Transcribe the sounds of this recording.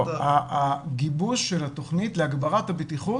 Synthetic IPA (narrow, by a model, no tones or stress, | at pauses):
aɡibuʃːelat̪o̞χnit̪leaɡbaʁathabetiχu